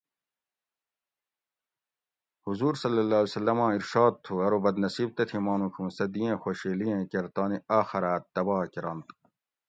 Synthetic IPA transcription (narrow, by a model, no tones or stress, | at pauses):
huzuːɾsɐlːɐlːaːlesɐlːɐmãːiɾʃaːd̪̚t̪ʰuɐɾobɐd̪nɐsiːb̚t̪ɐt̪ʰimaːnũːkʰũːsɐd̪ijẽːxoɕeːlijẽːkeɾt̪aːniaːxɐɾaːt̪ːɐbɑːkiɾɐnt̪